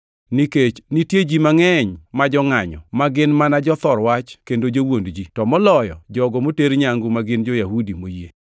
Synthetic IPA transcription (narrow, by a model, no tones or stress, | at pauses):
niket͡ʃnitjed͡ʒimaŋɛɲmad͡ʒɔŋaɲɔ̰maɡɪnmanad͡ʒɔt̪ɔɾwat͡ʃkendod͡ʒowondd͡ʒitɔmɔlɔjɔ̰d͡ʒɔɡɔmoteɾɲaŋɡʊmaɡɪnd͡ʒojahudimoje